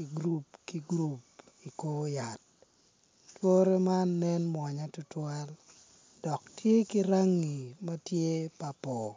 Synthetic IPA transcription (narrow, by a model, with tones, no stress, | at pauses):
i˨ɡɾu˦p̚kiɡɾu˨pi˨ko˦ja˨t̚ | two˦ɾe˦ma˦nːɛ˦nmwa˨ɲa˦tʊ˦twa˦l | dɔ˨ktje˦ki˦ɾa˦ŋi˨ma˦tje˦pa˨pɔ˨